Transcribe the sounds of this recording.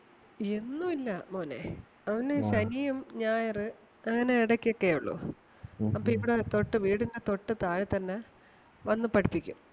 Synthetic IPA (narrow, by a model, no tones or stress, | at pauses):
e̞nːumilːɐmoːlḛ | ɐʋɐnɨɕɐnijumɲaːjɐrɨ | ɐŋːɐneiɽɐkʲːijokːeuɭːṵ | ɐpːoːiʋiɽet̪o̞ʈːɨʋiːɽindet̪o̞ʈːɨt̪aːɻɨt̪ɐnːe | ʋɐnːupɐɽipːikʲːṵm